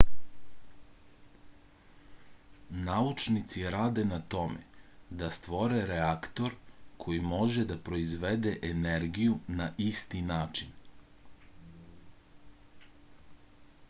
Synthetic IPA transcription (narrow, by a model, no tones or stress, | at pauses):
naut͡ʃnit̪siɾaːd̪e̞nat̪o̞mḛd̪ast̪ʋo̞ɾeɾeakt̪o̞ɾkʰo̞jimo̞ʒed̪apɾo̞izʋed̪e̞ʔeneɾɡijunaʔist̪inaːt͡ʃin